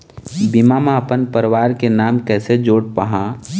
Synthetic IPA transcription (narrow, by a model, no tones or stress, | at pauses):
bimamãəpənpəɾʋaːɾkenaːmkɛːsed͡ʒoːɽpəɦãː